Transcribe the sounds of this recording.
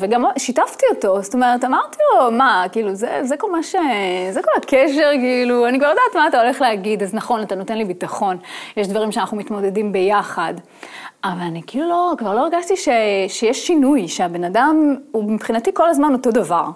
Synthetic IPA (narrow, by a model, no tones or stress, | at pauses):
veɡamoʃitaftio̞to̞zt̪o̞me̞ʁetamaʁt̪ilomakiːluzḛzekolmaʃezekolakʰeʃe̞ʁkiiːluanikvaʁlodaːt̪maːt̪ao̞le̞χleaɡidaznaχo̞natano̞te̞nlibitaχo̞njeʃd̪vaʁimʃeanaχnumitmo̞d̪e̞dimbe̞jaχad | ʔavalanikiːlulo̞kvaʁlo̞eʁɡaʃtiʃeʃejeʃːinujʃeabe̞nadamubipχinatiko̞lazmanoto̞d̪avaʁ